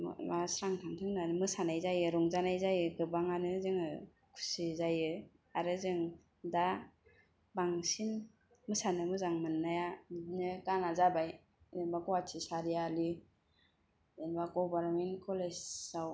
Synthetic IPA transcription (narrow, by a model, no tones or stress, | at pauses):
masɾaŋtʰaŋtʰɯŋdanɯmɯsanajzajɯɾɔŋzanajzajɯɡɯbaŋanɯzɯŋɯ | kʰu̥sizajɯ | aɾɯzɯŋ | da | baŋsin | mɯsanɯmɯzaŋmɯnːajanɯkanazabaj | enbakɔwatʰisaɾijali | enbaɡɔbaɾmenkʰɔlesaw